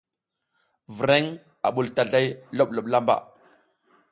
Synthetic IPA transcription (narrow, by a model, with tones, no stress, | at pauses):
vi˨ɾe˦ŋ | a̰˨ɓu˨lta˨ɮa˦jlo˦ɓ̚lo˨ɓla˦mba̰˨